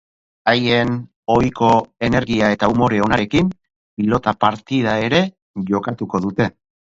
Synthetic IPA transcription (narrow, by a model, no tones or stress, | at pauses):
aje̞n | o̞jko̞e̞ne̞ɾɣiae̞t̪aumo̞ɾe̞o̞naɾe̞kim | pilo̞t̪apaɾt̪ið̞ae̞ɾe̞ | ʝo̞kat̪uko̞ðut̪e̞